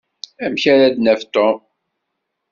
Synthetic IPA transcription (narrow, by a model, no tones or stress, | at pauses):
æmçæɾæd̪næft̪om